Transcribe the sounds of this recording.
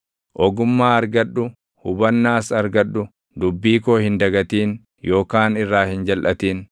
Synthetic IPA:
ʔɔɡʊmːaːɐɾɡɐᶑːʊ | hʊbɐnːaːsɐɾɡɐᶑːʊ | d̪ʊbːiːkoːhɪnd̪ɐɡɐt̪iːn | jo̞ːkaːnɪrːaːhɪnd͡ʒɐlʔɐt̪iːn

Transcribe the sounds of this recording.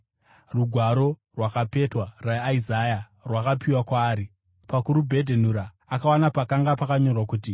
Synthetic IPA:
ruɡʱwaɾo̞rwakape̞twaraːizaja | rwakapʰiwakwaːɾi | pakuɾubʱe̞dʱenuɾaː | kawanapakaŋɡapakaɲo̞rwakuːti

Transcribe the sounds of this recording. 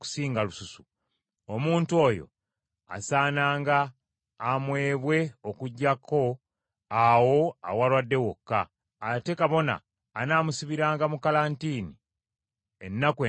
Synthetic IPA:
ku̥siːŋɡalususu | omuːntuo̞ːjo̞̰ | a̰saːnaːŋɡaː | mwe̞ːβwe̞o̞kuɟːakʰo̞ | awo̞a̰walwadːe̞wokːaː | te̞kaβo̞na̰ː | naːmusiβiɾaːŋɡamukalantiːni | enːakwe

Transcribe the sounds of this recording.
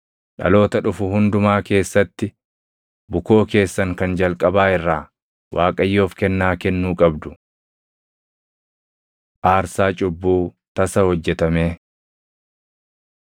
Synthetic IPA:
ᶑɐ̰lo̞ːt̪ɐᶑʊfʊhʊnd̪ʊmaːke̞ːsːɐt̪ːɪ | bʊko̞ːke̞ːsːɐŋkɐnd͡ʒɐlkʼɐbaːɪrːaː | wʔaːkʼɐjːo̞ːfkɛnːaːkɛnːuːkʼɐbd̪ʊ̥ | ʔaːɾsaːt͡ʃʼʊbːuː | t̪ɐsɐhɔd͡ʒːɛt̪ɐme̞ː

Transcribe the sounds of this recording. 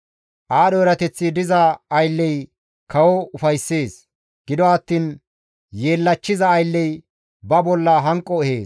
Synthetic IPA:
ʔaːɗɔɛɾɐt̪ɛt͡sːɪd̪ɪzɐːjlːɛj | kɐwɔʊfɐjsːe̞ːs | ɡ̥ɪd̪ɔɐt̪ːiːn | jeːlːɐt͡ʃːɪzɐːjlːɛj | bɐbɔlːɐɦɐŋkʼːɔɛhe̞ːs

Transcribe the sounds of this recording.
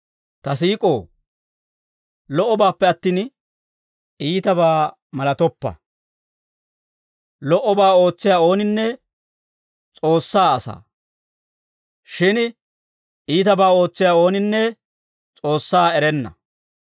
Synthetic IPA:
t̪ɐsiːkʼo̞ː | lɔʔːɔbaːpːɛɐt̪ːiːn | iːt̪ɐbaː | mɐlɐt̪ɔpːɐ̰ | lɔʔɔbaːo̞ːt͡sːɪjaːo̞ːnɪnːɛ | t͡sʼo̞ːsːaːɐsa̰ː | ʃɪn | iːt̪ɐbaːo̞ːt͡sːɪjaːo̞ːnɪnːɛ | t͡sʼo̞ːsːaːɛɾɛnːɐ̰

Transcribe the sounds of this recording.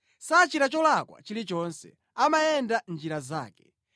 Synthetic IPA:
sat͡ʃiɾat͡ʃɔlakwa̰t͡ʃilit͡ʃɔnsɛ̰ | amajɛndand͡ʒiɾazaːkɛ

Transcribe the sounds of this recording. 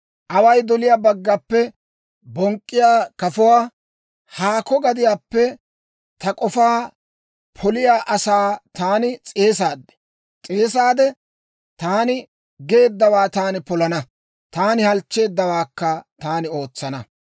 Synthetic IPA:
ʔɐwɐjd̪ɔlɪjaːbɐɡːɐpːɛ | bɔŋkʼːɪjaːkɐfʊwaː | haːkɔɡɐd̪ɪjaːpːɛ | t̪ɐkʼɔfaː | pʰɔlɪjaːʔɐsaːt̪aːnɪt͡sʼe̞ːsaːd̪ːɛ̥ | t͡sʼeːs̬aːd̪ɛ | t̪aːnɪ | ɡe̞ːd̪ːɐwaːt̪aːnɪpɔlɐnɐ | t̪aːnɪhɐlt͡ʃːe̞ːd̪ːɐwaːkːɐt̪aːnɪo̞ːt͡sːɐnɐ

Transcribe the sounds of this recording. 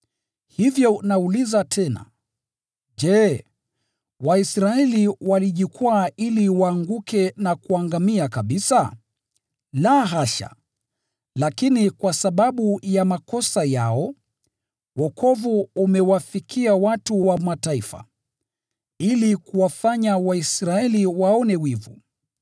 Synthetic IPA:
hivjɔnaulizatʰɛna̰ | ʄɛ | waisɾaɛliwaliʄikuailiwaːŋɡukɛnakuaŋɡamiakaɓisa | laɦaʃa̰ | lakinikwasaɓaɓujamakɔsajaɔ | wɔkʰɔvuːmɛwafikʰiawatuwamataifa̰ | ilikuwafaɲawaisɾaɛliwaɔnɛwivṵ

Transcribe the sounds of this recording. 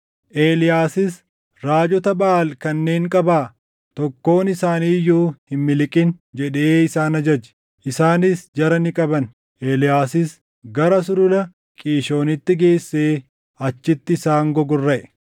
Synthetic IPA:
ʔe̞ːlɪjaːsɪs | ɾaːd͡ʒɔt̪ɐbɐːlkɐnːe̞ːŋkʼɐbaː | t̪ɔkːo̞ːnɪsaːniːjːuːhɪmmɪlɪkʼɪnd͡ʒɛᶑe̞ːɪsaːnɐd͡ʒɐd͡ʒɛ̥ | ʔɪsaːnɪsd͡ʒɐɾɐnɪkʼɐbɐn | ʔeːlɪjaːsɪs | ɡɐɾɐs̬ʊɾʊlɐ | kʼiːʃo̞ːnɪt̪ːɪɡe̞ːsːe̞ː | ɐt͡ʃːɪt̪ːɪːsaːŋɡɔɡɔrːɐʔɛ

